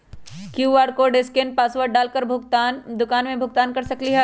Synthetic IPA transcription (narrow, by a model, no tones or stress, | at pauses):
kjuːʋaːɾkoːɖɪsken̚paːsʋəɾ̚ɖaːlkəɾbʱʊt̪and̪ʊkaːnmẽbʱʊɡ̚t̪aːnkɐɾsɐkliɦɛ